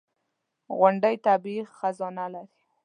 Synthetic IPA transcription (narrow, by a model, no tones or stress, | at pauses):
ɣʊɳɖəjt̪abixxazɑnalaɾi